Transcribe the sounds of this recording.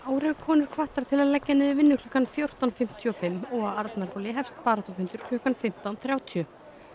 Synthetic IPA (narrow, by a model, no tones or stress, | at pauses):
aːwɾɛɾkʰɔːnɪɾ̥kʰvaht̪aɾ̥t̪ʰɪlaðlɛcːɛnɪðɪvɪnːʏkʰl̥œːkanfjowr̥t̪anfɪm̥t̪ʰjʏɔfɪmːɔɣaaɾt̪mɛɾpɔlɪɦɛfst̪paːɾat̪ɔfʏnt̪ʏɾ̥kʰl̥œːhkanfɪm̥t̪awnθɾjaːwt̪ʰiʏ